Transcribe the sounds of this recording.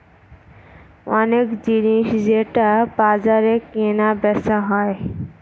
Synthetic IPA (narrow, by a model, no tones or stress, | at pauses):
ɔnekd͡ʑiniʃd͡ʑeʈabad͡ʑaɾekenabɛsaɦɔe